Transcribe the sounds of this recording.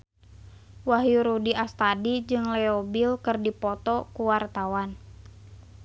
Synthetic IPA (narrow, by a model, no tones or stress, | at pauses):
waɦjuɾudiast̪adid͡ʒɨŋlɛɔbilkɨrdipɔt̪ɔkuwart̪awan